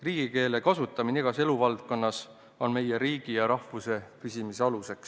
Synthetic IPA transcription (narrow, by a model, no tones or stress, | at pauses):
riːɡ̥ike̞ːle̞kɑsut̪ːˑɑmineɡ̥ɑse̞luvɑlt̪̚ko̞nːɑs | o̞nme̞jeɾiːɡ̥ijɑɾɑhvuse̞pysimiseɑluse̞ks